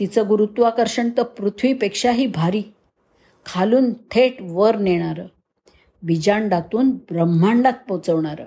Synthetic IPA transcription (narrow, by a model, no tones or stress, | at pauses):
t̪it͡səɡuɾut̪ʋakəɾɕəɳt̪əpɾut̪ʰʋiːpekʂaɦiːbʱaɾiː | kʰaluːnt̪ʰeʈʋəɾneɽ̃aɾə | bid͡ʑaɳɖat̪uːnbɾəm̤ːaɳɖat̪̚pəwt͡səʋɳaɾə̰